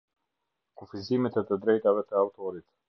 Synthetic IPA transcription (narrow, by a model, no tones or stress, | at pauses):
kufizimɛt̪ɛt̪əd̪ɾɛjt̪avɛt̪əawt̪ɔɾit̪